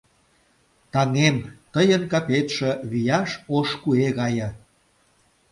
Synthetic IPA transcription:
t̪ɑŋemt̪əjənkɑpet̪ʃĕβijɑʃoʃkueɣɑjə̆

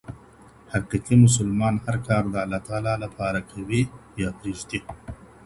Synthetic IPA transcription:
hɐqiqimʊsʊlmɑːnhɐɾkɑːɾd̪ɐɐlːaːt̪aːlalɐpɑːɾakʰɐwijapɾiːʒt̪i

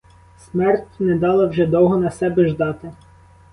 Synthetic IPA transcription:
smɛrtʲnɛd̪ɑlˠɐwʒɛd̪ɔwɦɔnɐsɛbɛʒd̪ɑt̪ɪ

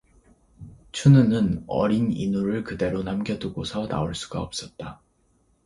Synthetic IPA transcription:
t͡ɕʰunɯnɯnʌ̰ɾinḭnuɾɯɭkɯde̞ɾonamɡjʌduɡosʰʌna̰oɭs͈u̥ɡaʌp̚s͈ʌt̚t͈a

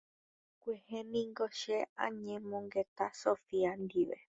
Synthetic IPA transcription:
kʷehẽnĩŋɡoʃeʔã̰ɲẽmõŋɡet̪asofiand̪iʋḛ

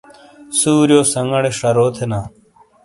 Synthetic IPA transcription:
suːɾjoːsɐŋɡɐɽeʂɐɾoːt̪ʰenaː

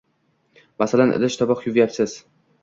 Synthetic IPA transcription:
masalanʔɪ̰lɪʃt̪ʰɒbɒqjʊvjapsɪz̥

